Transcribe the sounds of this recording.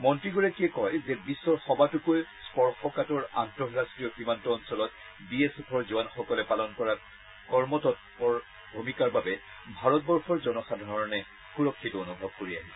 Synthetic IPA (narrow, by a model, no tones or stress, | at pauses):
mɔntɹiɡuɹɛkiɛkɔjzɛbisːɔɹxɔbatukojspɔɹxɔkatɔɹa̰ntɔɹɹastɹijɔximantɔːnsɔlɔt̚ | biesepʰɔɹzuanxɔkɔlɛpalɔnkɔɹat | kɔɹmɔtɔtpɔɹ | bʱumikaɹbabɛ | bʱaɹɔt̚bɔɹxʰɔɹzɔnɔxadʱaaɹɔɔnɛ | xuɹɔkʰːitɔonubʱɔb̚koɹia̰ɦɛ